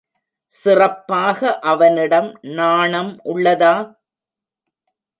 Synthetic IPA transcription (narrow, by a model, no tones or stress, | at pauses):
sɪrɐpːaːɣɐʔɐʋɐnɪɽɐmnaːɳɐmʔʊɭːɐðaː